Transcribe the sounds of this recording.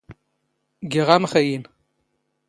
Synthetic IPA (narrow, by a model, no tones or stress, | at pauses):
ɡʲiʁamχajin